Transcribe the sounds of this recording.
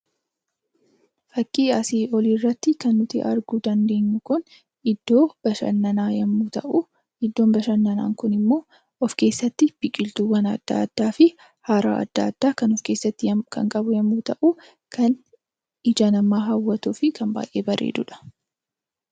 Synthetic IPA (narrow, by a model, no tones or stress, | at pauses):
fɐkʼːiːɐsiːɔliːrːɐt̪ːɪkɐnːʊt̪ɪʔɐ̰ɾɡuːd̪ɐnd̪e̞ːɲːʊkʊn | ɪd̪̥ːo̞ːb̥ɐʃɐ̰nːɐnaːjɐmːuːt̪ɐʔu | ɪd̪ːo̞ːnbɐʃɐnːɐna̰ːŋkʊnɪmːo̞ː | ɔfke̞ːsːɐt̪ːɪb̥ɪkʼːɪlt̪uwɐnɐ̰d̪̥ːa̰ːɐd̪̥ːaːfɪ | haːɾa̰ːʔɐ̰d̪̥ːa̰ːd̪̥ːaːkɐnɔfke̞ːsːɐt̪ːɪkʰɐ̰ŋkʼɐbʊjɐmːuːt̪ɐʔu | kʰɐn | ɪd͡ʒanɐmːaːɦɐwːɐt̪uːfɪkɐmba̰ːjʔeːbɐrʔḛːd̪ʊᶑɐ̥